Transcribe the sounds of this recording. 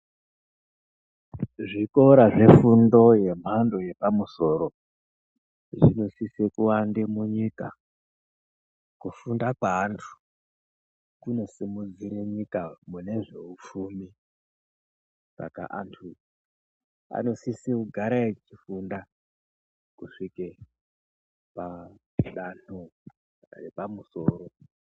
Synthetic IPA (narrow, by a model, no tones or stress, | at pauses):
ʐiko̞ɾaʐe̞fundo̞je̞m̤ando̞je̞pamuso̞ɾo̞ | ʐino̞sisekuwandemuɲika | kufundakwaːntʰu̥ | kuno̞simud͡ziɾeɲikamune̞ʐe̞ufuːmi | sa̰ka̰ʔantʰu | a̰no̞sisekuɡʱaɾaet͡ʃifunda | kuʂike | pa | ɗano | repamuso̞ːɾo̞